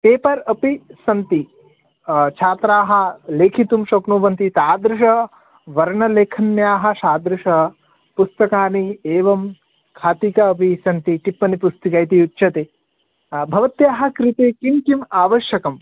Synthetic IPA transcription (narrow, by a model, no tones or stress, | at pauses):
t̪eːpɐɾɐpisɐnt̪i | t͡ʃʰaːt̪ɾaːɦɐ̆leːkʰit̪umʃoːknuːʋɐnt̪it̪aːd̪ɾuʃɐ | ʋɐɾɳɐleːkʰɐnjaːɦɐ̆ʃaːd̪ɾuʂɐ | pust̪ɐkaːnieːʋɐm | kʰaːt̪ikɐɐp̬isɐnt̪iʈipːɐnipust̪ikɐjt̪iutːʃɐt̪eː | bʱɐʋɐt̪jaːɦɐ̆kɾit̪eːkimkimaːʋɐʃjɐkɐm